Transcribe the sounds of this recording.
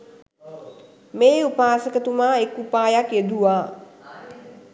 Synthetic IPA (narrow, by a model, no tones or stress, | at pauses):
meːupaːsəkət̪umaːekupaːjaked̪uʋaː